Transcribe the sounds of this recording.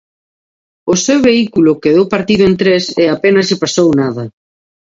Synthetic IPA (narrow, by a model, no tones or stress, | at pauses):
ʊsewβeikulʊkeðowpaɾt̪iðʊent̪ɾeseapenɐzʎɪpasownað̞ɐ